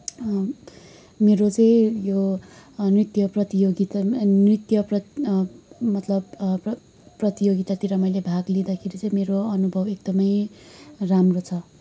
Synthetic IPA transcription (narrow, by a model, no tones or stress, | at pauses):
meɾot͡sʌ̃ĩjo | nrit̪jʌprʌt̪ijoɡit̪anrit̪jʌprʌ | mʌt̪lʌb | prʌt̪ijoɡit̪at̪iɾʌmʌjlebʱaɡlid̪akʰeɾit͡sʌ̃ĩmeɾoʌnubʱʌbek̚d̪ʌmʌj | ramrot͡sʰʌ